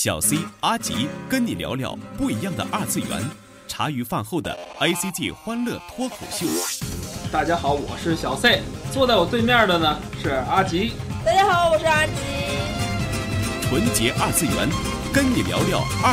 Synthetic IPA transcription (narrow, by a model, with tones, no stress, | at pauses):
ɕjɑ˨˩ʊse˥ɪa˥t͡ɕḭ˧˥kə˥nni˨˩ljɑ̰˧˥ʊljɑ̰˧˥ʊpu˥˩i˧˥jɑ˥˩ŋd̪ə̰˩ʔa˞˥˧t͡sɹ̩˥˩ɥɛ̰˧˥n | ʈ͡ʂʰa˧˥y˧˥fa˥˧nxo˥˩ʊd̪ə̰˩a˥ɪsi˥t̪i˥˩xwa˥nlɤ˥˩t̪ʰwɔ˥kʰo˨˩ʊɕjo˥˩ʊ | t̪a˥˩t͡ɕja˥xɑ˧˥ʊwɔ̰˨˩ʂɻ̩˥˩ɕjɑ˨˩ʊse˥˩ɪt͡swɔ˥˧t̪a˥˩ɪwɔ˨˩t͡swe˥˧ɪmjɑ˥˩d̪ə˩nə˩ʂɻ̩˥˩a˥t͡ɕi˧˥t̪a˥˩t͡ɕja˥xɑ˧˥˦ʊwɔ˨˩ʂɻ̩˥˧a˥t͡ɕi˧˥ | xʰwə˧˥nt͡ɕjɛ˧˥ʔɐ˞˥˧t͡sɹ̩˥˩jɥɛ̰˧˥n | kə˥nni˨˩ljɑ̰˧˥ʊljɑ˥˩ʊ